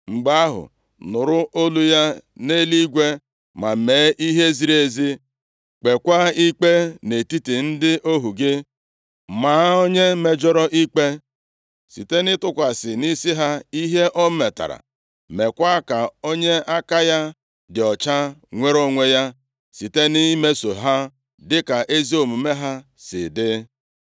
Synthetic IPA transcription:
ŋ͡m̩˨ɡ͡ba˦a˦ɦʊ̰˨ | nʊ˨ɾʊ˦ʔo˦lu˦ja˦ne˦li˦ɡʷe˦ | ma˨me˨˦ʔi˦ɦe˦zi˨ɾe˦zi˦ | k͡pe˨kʷa˦i˦k͡pe˦ne˨ti˦ti˨n̩˦dɪ˦ʔo˦ɦu˨ɡɪ˦ | maː˨˦o˦ɲe˦me˨d͡ʒɔ˦ɾɔ˦ʔi˦k͡pe˦ | sḭ˨te˦nɪ˦tʊ˦kʷa˨sɪ˨ni˦si˦ɦa˦i˦ɦe˦ʔɔ˦me˨ta̰˨ɾa̰˨ | me˨kʷa˦ka˨o˦ɲe˦a˦ka˦ja˦ | dɪ˨ɔ˨t͡ʃa˦ŋʷe˦ɾo˦ŋʷe˦ja˦ | si˨te˦ni˦me˦so˨ɦa˦ | dɪ˦ka˨ʔe˦zi˦o˨mu˨me˦ɦa˦ | sɪ̰˨dɪ˦

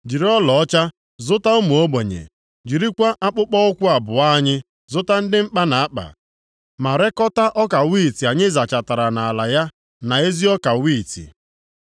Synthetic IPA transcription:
d͡ʒi˨ɾi˦ɔ˦lɔ˨ɔ˦t͡ʃa˦ | zʊ˦ta˦u˦mu˨o˦ɡ͡be˨ɲḛ˨ | d͡ʒi˨ɾi˦kʷa˦ʔa˦k͡pʊ˦k͡pɔ˦ʊ˦kʷʊ˦a˨bʊ˨a˦ɲɪ˦ | zʊ˦ta˦n̩˦dɪ˦ŋ͡m̩˦k͡pa˦na˨a˦k͡pa̰˨ | ma˨ɾe˦kɔ˦ta˦ʔɔ˦ka˨wiː˦˨ti˨a˨ɲɪ˦za˨t͡ʃa˨ta˨ɾa˨na˨la˨ja˦ | na˨e˦zi˦ɔ˦ka˨wi˦˨tḭ˨

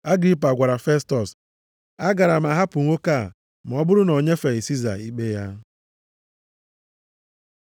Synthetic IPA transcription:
a˦ɡɾi˦p̬a˨ɡʷa˨ɾa˨fe˦stɔ˨s | a˦ɡa˨ɾa˨m̩˨a˨ɦa˦pʊ˨ŋʷo˦ka˦˨ | m̩˨ɔ˦bʊ˦ɾʊ˦nɔ˨ɲe˦fe˨ɣi˨si˦za̰˨i˦k͡pe˦ja˦

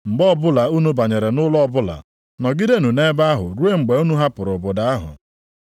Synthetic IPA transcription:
ŋ͡m̩˨ɡ͡bɔ˦ɔ˦˨bʊ˦la˨u˦nu˦ba˨ɲe˨ɾe˨nʊ˦lɔ˦bʊ˦la̰˨ | nɔ˨ɡi˦de˦nu˨ne˦ba˦a˦ɦʊ˨ɾu˦e˦ŋ͡m̩˨ɡ͡be˨u˦nu˦ɦa˦pʊ˨ɾʊ˨bʊ˨da˨˦a˦ɦʊ̰˨

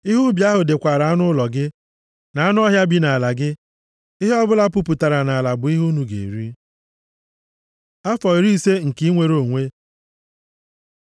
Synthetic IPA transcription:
i˦ɦʊ˦bja˦ɦʊ˨dɪ˨kʷa˨ɾa˨a˦nʊ˦lɔ˨ɡɪ˦ | na˨a˦nʊ˦ɔ˦ɦja˦bi˨na˨a˨la˨ɡɪ˦ | ɪ˦ɦe˦ɔ˦bʊ˦la˦pʊ˦pu˨ta˨ɾa˨na˨la˨bʊ˨i˦ɦu˦nu˨ɡḛ˨ḭ˨ɾi˦ | a˦fɔ˨i˨ɾi˦se˦ŋ̩˨ki˦i˦ŋʷe˨ɾo˨ŋʷe˦

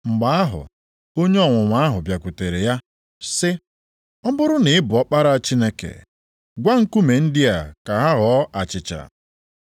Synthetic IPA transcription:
ŋ͡m̩˨ɡ͡ba˨˦a˦ɦʊ̰˨ | o˦ɲe˦ɔ˦˨ŋʷʊ˨ŋʷa˦a˦ɦʊ˨bja˨kʷu˨te˨ɾe˨ja˦ | sɪ˦ | ɔ˦bʊ˦ɾʊ˦nɪ˨˦ɪ˦bʊ˨ɔ˦k͡pa˦ɾa˦t͡ʃi˦ne˦kḛ˨ | ɡʷa˦ŋ̩˦ku˦me˨n̩˦dɪ˦a˨ka˨ɦa˦ɣɔ˦ʔa˨t͡ʃɪ˨t͡ʃa̰˨

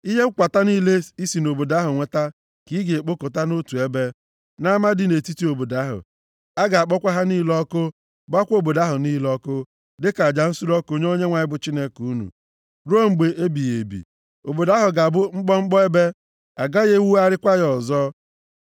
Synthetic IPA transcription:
i˦ɦe˦kʷa˨ta˦niː˦le˦i˦si˨no˨bo˨da˦ɦʊ˨ŋʷe˨ta˦ | ki˦ɡe˨e˨k͡po˦ko˨ta˦no˦tu˨e˦be˦ | na˦ma˦dɪ˨ne˨ti˦ti˦o˨bo˨da˨˦ɦʊ̰˨ | a˦ɡa˨a˨k͡pɔ˦kʷa˦ɦa˦ni˦lɔ˦kʊ˦ | ba˦kʷo˦˨bo˨da˦ɦʊ˨niː˦lɔ˦kʊ˦ | dɪ˦ka˨d͡ʒa˨n̩˦su˦ɾɔ˦ko˨ɲ˦o˦ɲe˦ŋʷa˨ɲɪ˦bʊ˦t͡ʃi˦ne˦ku˨˦nṵ˨ | ɾo˦ŋ͡m̩˨ɡ͡be˨ʔe˦bi˨jḛ˨bḭ˨ | o˨bo˨da˦ɦʊ˨ɡa˨bʊ˦ŋ͡m̩˦k͡pɔ˦ŋ͡m̩˦k͡pɔ˦e˦be˦ | a˨ɡa˦ɣe˦wu˦a˦ɾɪ˦kʷa˦ɣɔ˨zɔ˦

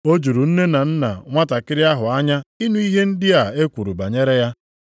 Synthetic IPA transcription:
o˦d͡ʒu˨ɾu˨n̩˦ne˦na˨n̩˦na̰˨ŋʷa˦ta˨kɪ˦ɾɪ˦a˦ɦʊ˨a˦ɲa˦i˦nu˦i˦ɦe˦n̩˦dɪ˦a˨e˦kʷu˨ɾu˨ba˨ɲe˦ɾe˦ja˦

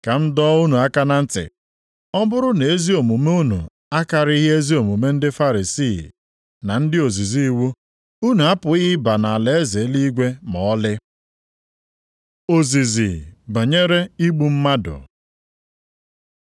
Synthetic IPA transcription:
ka˨m̩˦dɔː˦u˦nu˨a˦ka˦na˦n̩˦tɪ̰˨ | ɔ˦bʊ˦ɾʊ˦ne˨e˦zi˦o˨mu˨me˦u˦nṵ˨ | a˦ka˨ɾɪ˦i˦ɦe˦zi˦o˨mu˨me˦n̩˦dɪ˦fa˦ɾi˨si˦˨ | na˨n̩˦dɪ˦o˨zi˨zi˦wu˦ | u˦nu˨a˦pʊ˨ɪ˦ba˨na˨a˨le˨˦e˦ze˨˦li˦ɡʷe˦mɔ˨ɔ˦lɪ˦ | o˨zi˨zḭ˨ba˨ɲe˦ɾe˦i˦ɡ͡bu˦m̩˦ma˦dʊ̰˨

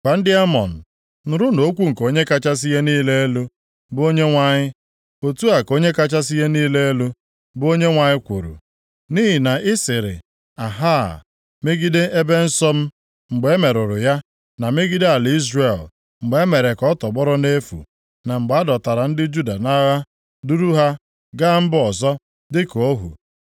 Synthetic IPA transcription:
kʷa˨n̩˦dɪ˦a˦mɔ̰˨n̩˨ | nʊ˨ɾʊ˦no˨˦kʷu˦ŋ̩˨ko˦ɲe˦ka˦t͡ʃa˦s̬i˦je˦niː˦le˦e˦lo˦ | bo˦ɲe˦ŋʷa˨ɲɪ˦ | o˨tu˦a˨ko˦ɲe˦ka˦t͡ʃa˦s̬i˦je˦niː˦le˦e˦lo˦ | bo˦ɲe˦ŋʷa˨ɲɪ˦kʷṵ˨ɾṵ˨ | ni˦ɦi˨na˨ʔɪ˦sɪ˨ɾɪ̰˨ | a˨ɦa˦˨ | me˦ɡi˦de˦e˦be˦n̩˦sɔ˦m̩˦ | ŋ͡m̩˨ɡ͡be˨˦e˦me˨ɾʊ˨ɾʊ˨ja˦ | na˨me˦ɡi˦de˦a˨li˦zre˨l | ŋ͡m̩˨ɡ͡be˨˦e˦me˨ɾe˨kɔ˦tɔ˨ɡ͡bɔ˦ɾɔ˦ne˦fṵ˨ | na˨ŋ͡m̩˨ɡ͡ba˦dɔ˨ta˨ɾa˨n̩˦dɪ˦d͡ʒu˦da˨na˦ɣa˦ | du˦ɾu˦ɦa˦ | ɡa˦m̩˦bɔ˨zɔ˦ | dɪ˦ko˦ɦṵ˨

